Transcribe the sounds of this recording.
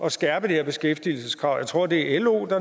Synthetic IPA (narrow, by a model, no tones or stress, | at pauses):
ɒ̽sɡ̥æɐ̰b̥əd̥eheɐb̥e̝sɡ̥efd̥iːl̩səskʰʁɑ̈ʊ̰jäɪt͡sʰʁo̝ɐ̰d̥e̝æʔelo̝̰ːd̥ɑ̈